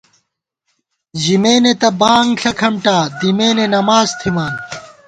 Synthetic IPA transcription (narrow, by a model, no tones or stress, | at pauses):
d͡ʑimeːnet̪ɐbaːŋɡɬɐkʰɐmʈaːd̪imeːnenɐmaːzt̪ʰimaːn